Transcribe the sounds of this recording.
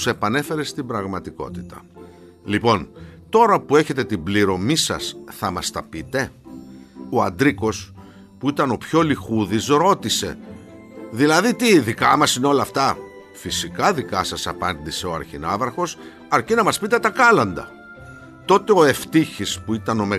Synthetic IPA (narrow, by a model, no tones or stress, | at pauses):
se̞pɐne̞fe̞ɾest̪ibɾɐɣmɐt̪iko̞̰t̪i̥t̪ɐ̥̰ | lipo̞nt̪o̞ɾɐpue̞çe̞t̪e̞t̪ibliɾo̞misɐ̰sθɐmɐst̪ɐpit̪e̞ | o̞ɐ̰nd̪ɾiko̞s | puit̪ɐno̞pço̞lixuðisɾo̞t̪ise̞̰ | ðilɐðit̪iðikɐmɐsineo̞lɐːft̪ɐ | fisikɐðikɐsɐsɐpɐnd̪ise̞oɐ̰ɾçinɐvɾɐxo̞s | ɐɾcinɐmɐspit̪e̞t̪ɐkɐlɐnd̪ɐ̰ | t̪o̞t̪e̞o̞e̞ft̪içispuit̪ɐno̞me